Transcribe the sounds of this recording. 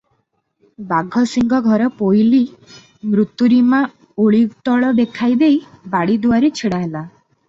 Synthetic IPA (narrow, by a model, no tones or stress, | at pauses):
baɡʱɔsiŋɡɔɡʱɔɾɔpojli | mɾut̪ːjuɾima | oɭikt̪ɔɭɔd̪ekʰajd̪ejbaɽid̪uaɾet͡ʃʰeɽaɦela